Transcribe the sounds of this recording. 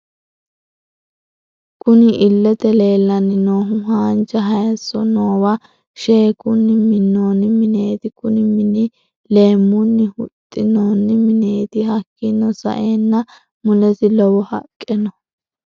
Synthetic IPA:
kʊnɪʔɪlːɛt̪ɛle̞ːlːɐnːɪnoːɦʊɦaːnt͡ʃɐɦɐjɐsːɔ̰noːwɐ | ʃe̞ːkʊnːɪmɪnːoːnːɪmɪne̞ːt̪ɪkʊnɪmɪnɪ | le̞ːmːʊnːɪhʊt̪ʼːɪnoːnːɪmɪne̞ːt̪ɪhɐkːɪnːɔsɐ̰ʔeːnːɐ | mʊlɛsɪlɔwɔhɐ̰kʼːɛnɔ

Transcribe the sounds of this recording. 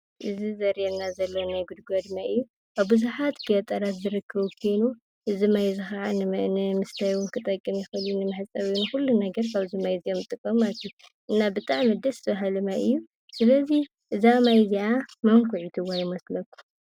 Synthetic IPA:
ʔɨzizɐɾjenːazɐlːownajɡud̪ɡod̪maɨjːu | ʔaβbɨzuħat̪ɡɐt̪ʼɐɾat̪zɨɾɨkʰːɐβukʰojnu | ʔɨzimajzɨxaʕanɨnɨmɨst̪ʰajwunkʰɨt̪ʼɐkʼːɨmjɪxɐljunɨmɨħɨt͡sʼɐβjunɨxulːunɐɡɐɾkʰaβzimajzijomt̪ʼɨkʼːɐmat̪ʰuʔɨnːabɨt̪ʼaʕmid̪ɐst̪ʰɐβaɦalɨmaɨjːu | sɨlɐzi | ʔɨzamajziʕamamkʰuʕit̪ʰɨwajɪmɐslɐkːu̥

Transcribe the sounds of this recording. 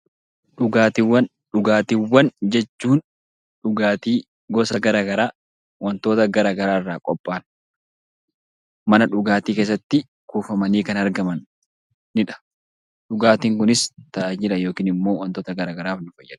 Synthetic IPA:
ᶑʊɡaːt̪ɪwɐn | ᶑʊɡaːt̪iwːɐnd͡ʒɛt͡ʃːuːn | ᶑʊɡaːt̪iː | ɡɔsɐɡɐɾaːɡɐɾaː | wɐnt̪o̞ːt̪ɐɡɐɾaːɡɐɾaːɪrːaːkʼɔpʼːaːn | mɐnɐᶑʊɡaːt̪iːke̞ːs̬ːɐt̪ːɪ | kuːfɐmɐniːkɐnɐɾɡɐmɐnː | ɪᶑɐ̥ | ᶑʊɡaːt̪iːŋkʊnɪst̪ɐd͡ʒɪlɐjo̞ːkiːnɪmːo̞ːwɐnt̪oːt̪ɐɡɐɾaːɡɐɾaːfnʊfɐjːɐᶑ

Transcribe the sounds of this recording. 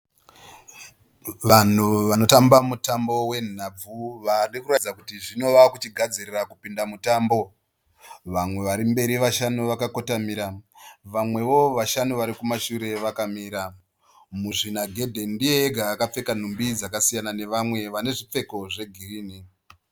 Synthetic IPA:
ʋan̤uʋanotambamutambo̞we̞n̤ab͡vuʋarikurad͡zakutiʐino̞ʋakut͡ʃiɡʱad͡zirirakupindamutaːmbo̞ | ʋamwe̞ʋaɾimbe̞ɾiʋaʃanuʋakako̞tamiɾaʋamwe̞ʋo̞ʋaʃanuʋaɾikumaʃuɾe̞ʋakamiːɾa | muʐinaɡʱe̞dʱe̞ndijeːɡʱaːkap͡fe̞kan̤umbid͡zakasijanane̞ʋamwe̞ʋane̞ʐip͡fe̞ko̞ʐe̞ɡʱiriːni

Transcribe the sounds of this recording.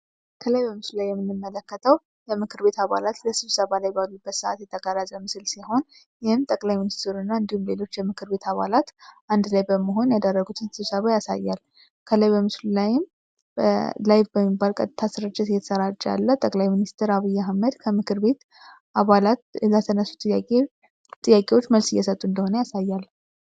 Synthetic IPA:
kʰələjbəmɨslulajːɛmːɨnːɨmːələkːət̪ʰəw | jɛmɨkʰɨɾbe̞t̪aβa̰lat̪ləsɨβsəβalajbalubːət̪sɨʔa̰t̪jɛt̪ʰəɡaɾazʼəmɨsɨlsiho̞n | jɪhɪmt̪ʼəkʼlajminist̪ʰɪɾunːaɨnd̪ihumle̞lo̞t͡ʃːjɛmɨkʰɨɾβe̞t̪ʰaβa̰lat̪ʔand̪lajbəməɦo̞njad̪ərːəɡut̪ʰɨnsɨβsəβajasa̰jːal | kʰəlajbəmɨslulajɪm | lajbbəmːibːalkʼət̪ʼt̪ʰasɾəd͡ʒːɛt̪ɨjɛt̪ʰə̥səɾat͡ʃʼːa̰lːət̪ʼəkʼlajminist̪ʰɨɾaβijːaɦməd̪kʰəmɨkʰɨɾbe̞t̪ | ʔaβalat̪lət̪ʰənəsːu̥t̪ʼːɨja | t̪ʼɨjakʼe̞wo̞t͡ʃːməlsɨjːɛsət̪ʼːuɨnd̪əho̞nəjasajːal

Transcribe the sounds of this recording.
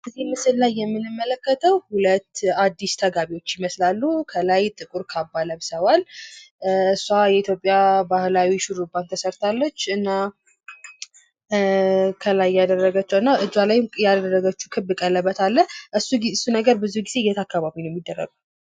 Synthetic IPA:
ʔɨzemɨsɨllajːɛmːɨnɨmːələkːət̪ʰəwhulət̪ːad̪ːist̪ʰəɡaβiwo̞t͡ʃːjɪməslalːukʰəlajt̪ʼɨkʼuɾkʰabːaləβsəwal | ɨsːuajɛit̪ʰjo̞pʼːjabahlawiʃuɾubant̪ʰəsəɾt̪ʰalːot͡ʃːɨnːa | kʰəlajːad̪ərːəɡət͡ʃːəwɨnːaʔɨd͡ʒalajjaərːəɡət͡ʃːu̥kʰɨbɨkʼəlːəbːət̪ʰalːəʔɨsːuɨsːunəɡəɾbɨzuɡize̞jːɛt̪ʰakːaβaβinojɛmːid̪ːərːə̰ɡu

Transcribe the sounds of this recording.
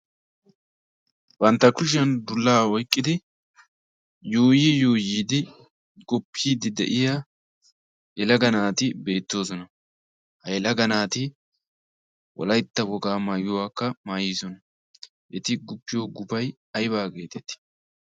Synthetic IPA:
b̥ɐnt̪ːɐkʊʃ̬ɐnd̪ʊlːaːwɔjkʼːɪd̪ɪ | joːjɪjoːjiːd̪ɪ | ɡɔpʰːiːd̪ɪd̪ɛ̰ʔɪja | jɛlɐɡɐnaːt̪ɪbe̞ːt̪ːo̞ːsɔnɐ | hɐjɛlɐɡɐnaːt̪ɪ | wɔ̰lɐjt̪ːɐwɔɡaːmaːɡʊwaːkːɐmaːjɪsɔnɐ | ʔɛt̪ɪɡʊpːɪjoːɡʊbɐj | ɐjbaːɡe̞ːt̪ɛt̪ːɪ̥

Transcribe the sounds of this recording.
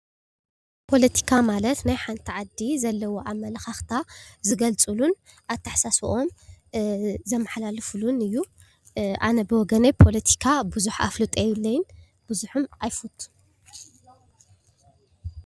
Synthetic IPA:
pʰo̞lɐt̪ʰi̥kʰamalɐt̪najħant̪ʰiʕad̪izɐlːɐwoʔamːɐlɐxaxt̪ʰazɨɡɐlt͡sʼɨlun | ʔaβt̪ʰaħsasuʔo̞m | zɐmːaħlalɨfulunɨjːu | ʔa̰nɐbɨwɔɡɐnɐjpʰo̞lɐt̪ʰi̥kʰabuzuħa̰flɨt̪ʼejulːɐjɪn | b̥ɨzuħumʔajfut̪ʼːu̥

